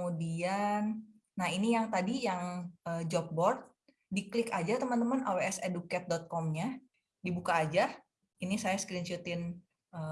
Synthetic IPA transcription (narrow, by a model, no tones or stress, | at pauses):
mudianː | ahinijaŋt̪adijaŋəd͡ʒɔp̚bɔrt̪̚ | diklɪkad͡ʒat̪əmənt̪əmanaweɛsedukɛt̪̚dɔt̪̚kɔmɲa | dibukaːd͡ʒa | inisajasə̥kɾint͡ʃut̪ɪn | ə